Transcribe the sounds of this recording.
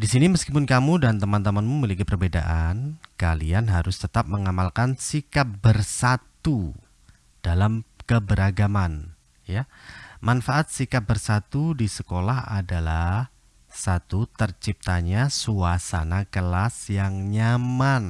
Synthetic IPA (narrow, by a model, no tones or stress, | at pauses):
disiniməskipʊnkamudant̪əmant̪əmanmuməlikipərbeda̰ʔankalianɦaɾʊst̪ət̪ap̚məŋamalkansikap̚bərsat̪u | d̥alamkəbəɾaɡaman | ja | manfaʔat̪̚sikap̚bərsat̪udisəkolaɦa̰dalah | sat̪ut̪ərt͡ʃip̚t̪aɲasuasa̰nakəlasjaŋɲaman